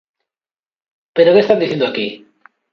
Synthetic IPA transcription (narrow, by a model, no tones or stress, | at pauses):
pe̞ɾokest̪andiθjend̪oaki